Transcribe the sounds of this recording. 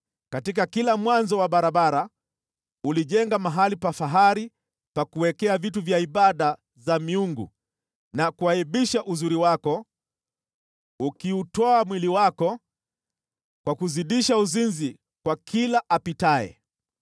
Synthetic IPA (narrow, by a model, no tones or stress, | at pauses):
katik̬akilamwanzɔwaɓaɾaɓaɾa | uliʄɛŋɡamaɦalipafaɦaɾi | pakuwɛkɛavituvjaiɓaɗa | zamiuŋɡṵ | nakuaiɓiʃaʔuzuɾiwakɔ | ukiutɔamwiliwakɔ | kwakuziɗiʃauzinzi | kwakilaʔapitaɛ̰